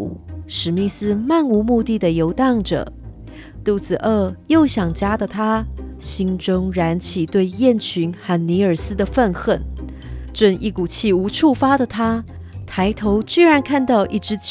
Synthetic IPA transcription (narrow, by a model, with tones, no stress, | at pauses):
ʂɻ̩˨˩mi˥˩sɹ̩˥ma˥˩nu˧˥mu˥˧t̪i˥˩d̪ə˩jo˧˥ʊt̪ɑ˥˩ŋʈ͡ʂɤ̰˨˩ | t̪u˥˩t͡sɹ̩˨˩ʔə˥˧˩jo˥˩ʊɕjɑ˨˩ŋt͡ɕja˥d̪ə˨t̪ʰa˥ɕi˥nʈ͡ʂʊ˥ŋɻa˧˥nt͡ɕʰi˨˩t̪we˥˧ɪjɛ˥˩nt͡ɕʰy˧˥nxa˥˩nni˧˥ə˞˨˩sɹ̩˥d̪ə˨fə˥˧nxə˥˩n | ʈ͡ʂə˥˧nḭ˥˩ku˨˩t͡ɕʰi˥˩u˧˥ʈ͡ʂʰu˥˩fa˥d̪ə˨t̪ʰa˥ | t̪ʰa˧˥ɪt̪ʰo˧˥ʊt͡ɕy˥˩ɻa˧˥nkʰa˥˧nt̪ɑ˥˧ʊʔi˥˩ʈ͡ʂɻ̩˧˥